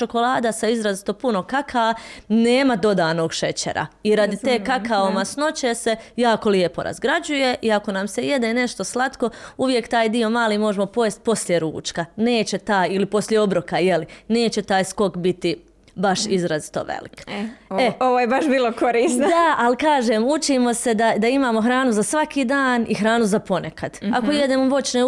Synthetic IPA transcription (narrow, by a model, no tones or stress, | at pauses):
t͡ʃo̞ko̞lˠaːd̪asaizɾazit̪o̞puno̞kakʰaːaneːmad̪o̞d̪aːno̞ːɡʃe̞t͡ɕḛɾa̰iɾad̪it̪eːkakaomasno̞t͡ɕese̞jaːko̞lie̞po̞̰ɾa̰zɡɾad͡ʒuje̞ʔiako̞namseje̞d̪ene̞ʃt̪o̞slˠat̪ko̞uʋje̞kt̪aːjd̪io̞maːliːmo̞ʒemo̞po̞jest̪̚po̞sljeɾṵːt͡ʃkane̞ːt͡ɕe̞t̪aːjilipo̞slʲjeo̞bɾokaje̞line̞ːt͡ɕe̞t̪aːjsko̞kbit̪i | baʃizɾazi̥t̪o̞̰ʋḛlḭkeoʋojebaʃbiːlˠokoɾiːsnod̪aalikaːʒeːmut͡ʃimo̞se̞d̪ad̪aimaːmo̞xɾaːnuzasʋakiːd̪aːnixɾaːnuzapo̞ne̞kad̪̥ako̞jed̪eːmoʋo̞t͡ʃne